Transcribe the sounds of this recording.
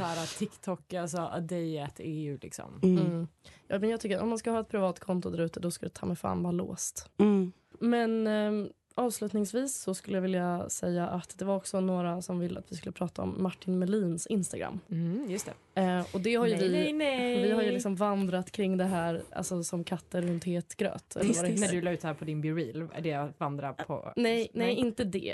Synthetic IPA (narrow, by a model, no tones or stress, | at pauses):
sæːɾat̪ʰɪkt̪ʰɔkːals̬ɔd̪ɛjɛt̪ʰɛjʉlɪ̰ksɔ̰m̩ | jːmɛnjɑɡt̪ʏkːəɾɔ̰mːanskɯləhːɛt̪̚pʰɾɪvɑːt̪kʰɔnt̪ʊd̪æɾʉ̟ːt̪əd̪ɔskald̪ɛt̪ʰɑ̰ːmɛfa̰ːnvaːɾalo̰ːst̪ | mɛn | ɑːvslʉ̟ːt̪nɪŋsviːsːɔskɵlːəjavɪljasɛjːaʔat̪d̪ɛvaɾɔksɔnoːɾasɔmvɪlːə̰a̰t̪vɪskɵlːəpʰɾɑːt̪aɔ̰mːaʈːɪnmɛliːnsɪnst̪aɡɾa̰mːjɵst̪ɛ̰ | ɔd̪ɛhaɾjəvɪɛvɪhaɾjɵlɪksɔmvand̪ɾat̪kʰɾɪŋːd̪ɛɦæːɾʔa̰lsɔsɔmkʰat̪ːəɾɵnt̪heːt̪ɡ̥ɾø̰ːt̪ɛ̰ɾnædʉlɑːʉ̟t̪hæːɾpʰɔd̪ɪnbɪɾiːlæ̰ɖɛvand̪ɾapʰɔ̰nɛjnɛjɪnt̪əd̪ɛ̰